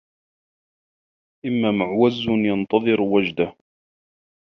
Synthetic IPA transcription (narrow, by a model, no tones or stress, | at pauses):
ʔɪmːaːmʊʕwazːʊnjɑnt̪ɑðˤɨɾwad͡ʒd̪ah